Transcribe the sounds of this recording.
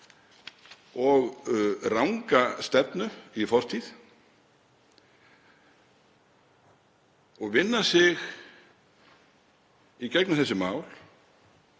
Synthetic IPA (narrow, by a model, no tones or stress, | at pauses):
ɔɣrawŋkast̪ɛpnʏifɔr̥t̪ʰið | ɔɣvɪnːasɪɣ | icɛknʏmθɛsːʏmaːwl